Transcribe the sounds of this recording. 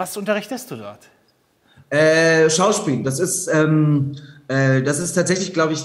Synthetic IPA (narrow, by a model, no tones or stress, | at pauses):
vasʔʊntɐʁɪçtəstd̥uːdɔɐt | ʔɛːʃaʊʃpiːld̥asɪstʔɛːmʔɛːd̥asɪstʰaːtz̥ɛçlɪçɡ̥laʊbəɪç